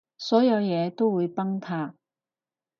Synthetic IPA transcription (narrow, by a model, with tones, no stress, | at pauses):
sɔː˨˥jɐ˨˧wjɛː˨˧t̪o˥wwuː˨˧jpɐ˥ŋt̪ʰaː˧k̚